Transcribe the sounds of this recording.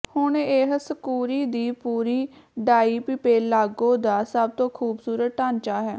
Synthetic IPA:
hʊɳeɦsəkuːɾiːd̪iːpuːɾiːɖaːiːpɪpeːlaːɡõːd̪aːsəb̚t̪õːkʰuːbsuːɾət̪̚ʈãːnt͡ʃaːɦɛː

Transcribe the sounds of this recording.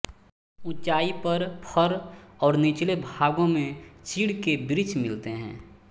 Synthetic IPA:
ʊt͡ʃaːipəɾpʰəɾɔːɾnit͡ʃlebʱaːɡõmẽt͡ʃiːɽkebɾɪt͡ʃmɪlt̪eɦɛ̰̃ː

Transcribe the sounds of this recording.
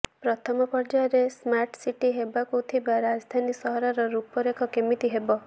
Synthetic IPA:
pɾɔt̪ʰɔmɔpɔɾd͡ʒaɔɾesmaɾʈsiʈiɦebakut̪ʰibaɾad͡ʒɔd̪ʱanisɔɦɔɾaɾɔɾupɔɾekʰɔkemit̪iɦebɔ

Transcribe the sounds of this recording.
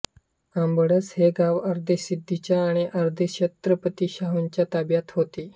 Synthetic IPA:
ambəɽət͡sheɡaʋəɾd̪ʱəsid̪ʱːit͡ɕjaːɽ̃iʔəɾd̪ʱəɕet̪ɾəpət̪iːɕaɦuɲt͡ɕjat̪abjat̪ɦot̪i

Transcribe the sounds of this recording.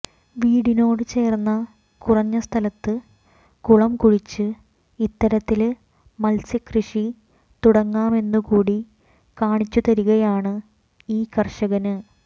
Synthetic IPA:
ʋiːɽino̞ːɽɨt͡ɕe̞ːrnːɐ | kurɐɲːɐst̪ʰɐlɐt̪ːɨ | kuɭɐmkuɻit͡ɕːɨ | it̪ːɐɾɐt̪ːil | mɐlsikrɨʂi | t̪uɽɐŋːaːme̞nːukuːɽi | kaːɳit͡ɕːut̪ɐɾuɣɐjaːɳɨ | iːkɐrʂɐɣɐnɨ

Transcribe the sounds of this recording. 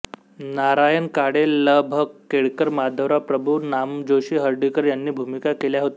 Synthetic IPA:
naɾajənkaɽelːəbʱəkːeɽkəɾmad̪ʱəʋɾapɾəbʱunamd͡ʑoɕiːɦəɾɖikəɾjanːiːbʱumikakeljaɦot̪e

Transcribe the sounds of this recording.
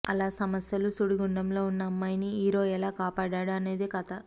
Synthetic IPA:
ɐlaːsɐmɐsjɐlusuɽiɡuɳɖɐmlo̞ːunːɐɐmːɐjniiːɾo̞ːɛlaːkaːpaːɽaːɽuɐne̞ːd̪ikɐt̪ɐ

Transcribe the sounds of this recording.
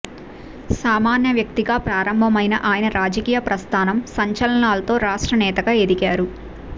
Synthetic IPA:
saːmaːnjɐʋjɐk̚t̪iɡaːpɾaːɾɐmbʱɐmɐjnɐʔaːjɐnɐɾaːd͡ʒɐkiːjɐpɾɐst̪ʰaːnɐmsɐɲt͡ʃɐlɐnaːlɐt̪o̞ːɾaːʂʈɾɐnɛːt̪ɐɡaːe̞d̪iɡaːɾu

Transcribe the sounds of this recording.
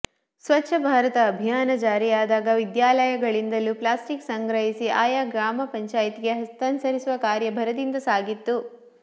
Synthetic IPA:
sʋɐtːʃʰɐbʱaːɾɐt̪ɐːbʱijaːnɐd͡ʒaːɾijaːd̪aːɡɐʋid̪jaːlɐjɐɡɐɭind̪ɐluplaːsʈiksɐŋɡɾɐɦisiʔaːjaːɡɾaːmɐpɐɲt͡ʃaːjt̪iɡe̞ɦɐst̪ɐnsɐɾisuʋɐkaːɾjɐbʱɐɾɐd̪ind̪ɐsaːɡit̪ːu

